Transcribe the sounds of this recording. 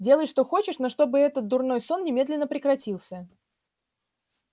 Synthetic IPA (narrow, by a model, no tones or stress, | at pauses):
dʲe̞lˠəjʂt̪o̞xo̞t͡ɕɪʂnoʂt̪o̞bɨɛt̪ət̪̚d̪ʊrno̞jso̞nːʲɪmʲe̞d̪lʲɪnːəpɾʲɪkɾɐtʲilˠsʲə